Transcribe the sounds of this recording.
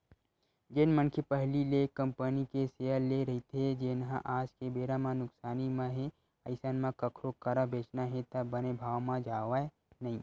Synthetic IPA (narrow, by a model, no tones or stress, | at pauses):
d͡ʒɪnmənkʰepəɦlilekəmpənikeseːəleɾɐɦit̪ʰed͡ʒɪnɦã̰ʔaːd͡ʒkebeːɾamãnʊksaːnimãɦe | ɐɪsanmãkɐkʰɾokɐɾabʱeːt͡ʃnaɦɛ̃t̪ɐbɐnebʱaːwmãd͡ʒaːʋae | nɐɦĩː